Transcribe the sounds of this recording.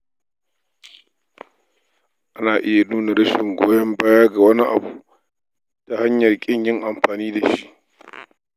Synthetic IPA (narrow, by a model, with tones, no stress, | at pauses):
ʔa˦naː˨ʔɪ˦ja˨nuː˦na˨ɽɐ˦ʃɪ˨ŋɡʷo̰ː˦jɐ˦mbaː˦jaː˦ɡa˨wɐ˦ni˦ʔa̰˨bu˨ | ta˨ha˦ɲjɐ˨rkʲʼɪ˦ɲjɪ˦ŋʔa˨mɸaː˨niː˦da˨ʃi˦ʔ